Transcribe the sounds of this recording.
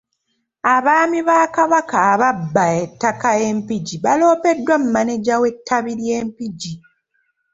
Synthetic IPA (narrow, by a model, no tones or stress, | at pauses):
aβaːmiβaːkaβakaːβabːaetːakae̞mpiɟiβalo̞ːpe̞dːwam̩maneɟawe̞tʰːaβiɾje̞ːmpiɟi